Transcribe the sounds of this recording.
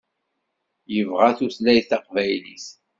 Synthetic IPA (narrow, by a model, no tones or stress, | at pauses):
jəvʁaθuslæjθɑqvæjlḭs